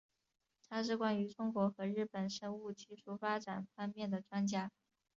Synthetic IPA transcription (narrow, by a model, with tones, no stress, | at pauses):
t̪ʰa˥ʂɻ̩˥˩kwa˥ny˧˥ʈ͡ʂʊ˥ŋkwɔ˧˥xɤ˧˥ɻɻ̩˥˩pə˨˩nʂɤ˥ŋu˥˧t͡ɕi˥˧ʂu˥˩fa˥ʈ͡ʂa˨˩nfɑ˥nmjɛ˥˩nd̪ə˩ʈ͡ʂwa˥nt͡ɕja˥